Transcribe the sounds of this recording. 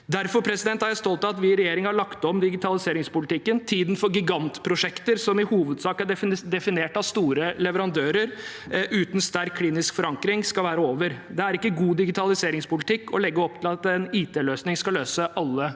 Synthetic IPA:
d̪æɾfɔɾpʰɾɛsɪd̪ɛnt̪hɑɾjæɪst̪ɔlt̪ɑt̪ʋɪɾɛjeːɾɪŋhɑɭɑkt̪ɔmd̪ɪɡɪt̪ʰɑlɪseːɾɪŋspʊlɪt̪ɪkːənt̪ʰiːd̪nfɔɾɡɪɡɑnt̪pʰɾʊʂɛkt̪əɾsɔmɪhuːʋəd̪sɑːkæd̪ɛfɪneːʈɑʋst̪uːɾəlɛʋəɾɑnd̪øːɾəɾ | ʉːt̪n̩st̪æɾkʰliːnɪskfɔɾɑŋkɾɪŋskɑʋæːɾəoːʋəɾd̪ɛæɾɪkːəɡuːd̪ɪɡɪt̪ʰɑlɪseːɾɪŋspʊlɪt̪ʰɪkːʰɔ̰lɛɡːəɔp̚ːt̪ʰɪlɑt̪ɛniːt̪ʰeːløːsnɪŋskɑløːsəʔɑlːə

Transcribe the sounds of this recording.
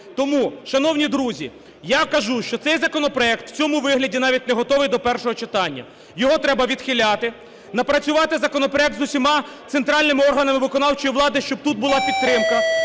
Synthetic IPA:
t̪ɔmuʃɐnɔwnʲid̪ɾuzʲi | jakɐʒuʃt͡ʃɔt̪sɛjzɐkɔnɔpɾɔɛkt̪w̥t͡sʲɔmʊʋɪɦlʲɐdʲinɑʋʲitʲneɦɔt̪ɔʋɪjd̪ɔpɛrʃɔɦɔt͡ʃɪt̪ɑnʲːɐ̰ | jɔɦɔt̪ɾɛbɐʋʲid̪xɪlʲat̪ɪ | nɐpɾɐt͡sʲʊʋɑt̪ɪzɐkɔnɔpɾɔɛk̚t̪zʊsʲimɑt̪sent̪ɾɑlʲnɪmɪɔrɦɐnɐmɪʋɪkɔnɑwt͡ʃɔjiʋlˠɑd̪ɪʃt͡ʃɔb̚t̪ut̪̚bʊlˠɑpʲid̪̚ɾɪmkɐ

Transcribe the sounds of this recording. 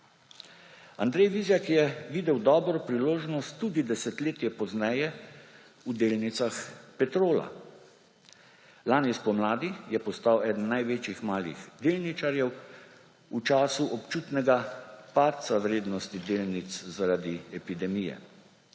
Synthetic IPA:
and̪ɾɛjʋizjakjɛʋiːd̪ɛwd̪ɔːbɾɔpɾiloːʒnɔst̪ːud̪id̪ɛsɛt̪leːt̪jɛpɔznɛjɛ | ud̪eːlnit̪saxpɛt̪ɾoːla̰ | laːnispɔmlaːd̪ijɛpɔst̪awɛːd̪n̩najʋeːt͡ʃixmaːlḭxd̪eːlnit͡ʃaɾjɛw | ut͡ʃaːsuʔɔpt͡ʃuːt̪nɛɡapaːt̪t̪sawɾeːd̪nɔst̪id̪eːlnit̪szaɾaːd̪iɛpid̪ɛmijɛ̰

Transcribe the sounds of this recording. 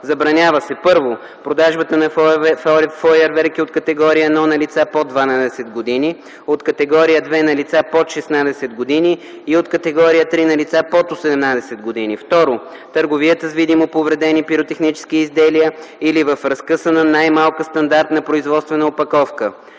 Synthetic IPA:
zɐbɾɐnʲavəsɛpɤɾvo | pɾod̪aʒbət̪ənɐ | fɔjɛɾvɛɾkiot̪kɐt̪ɛɡɔɾiəɛnɔnɐlit̪sapod̪vanad̪ɛsɛd̪ɡod̪ini | ot̪kɐt̪ɛɡɔɾijəd̪vɛnɐlit̪sapot̪ʃɛsnad̪ɛsɛd̪ɡod̪iniː | ot̪kɐt̪ɛɡɔɾijət̪ɾinɐlit̪sapot̪osɛd̪ɛmnad̪ɛsɛd̪ɡod̪inift̪ɔɾo | t̪əɾɡoviət̪əzvid̪imopovɾɛd̪ɛnipiɾot̪ɛxnit͡ʃɛ̥skiːzd̪ɛliəilivəfɾɐskɤsənɐnajmalˠkəst̪ɐnd̪aɾt̪nɐpɾoizvɔt̪st̪vɛnəopɐkɔfkə

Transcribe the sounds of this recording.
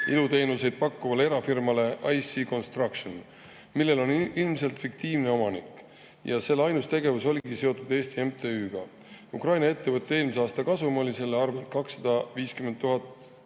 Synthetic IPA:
ilut̪e̞ːnuse̞jd̪̥̚pɑkːuvɑlee̞ɾɑfirmɑle̞ʔɑjsiko̞nst̪rɑkʃon | milːe̞lo̞nilmse̞lt̪fik̚t̪iːvne̞o̞mɑnikːˑ | jɑse̞lːɑjnust̪e̞ɡe̞vuso̞lʲiɡ̥ise̞o̞t̪ˑud̪̥e̞ːsʲt̪ie̞mt̪ʰeyːɡ̥ɑ | ukrɑjnɑe̞t̪ːe̞vɤt̪ːˑee̞ːlmiseɑːst̪ɑkɑsumolise̞lːeɑrve̞lt̪̚kɑksːɑd̪̥ɑviːskyment̪ːuɦɑt̪ˑ

